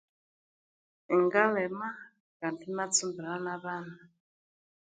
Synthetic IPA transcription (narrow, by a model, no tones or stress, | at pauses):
ɛŋɡalɛma | kantinat͡sumbilanaβaːna